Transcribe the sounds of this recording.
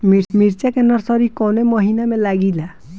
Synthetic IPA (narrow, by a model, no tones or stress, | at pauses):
miɾmiɾt͡ʃakenɔɾsɔɾikɔnemɔɦinamelaɡila